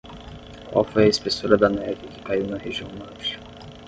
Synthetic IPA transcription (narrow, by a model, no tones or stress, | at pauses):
kwa̰wfojɐespesoɾɐd̪ɐnɛvɪkɪ̥kaiwnɐheʒiɐ̃w̃maʃ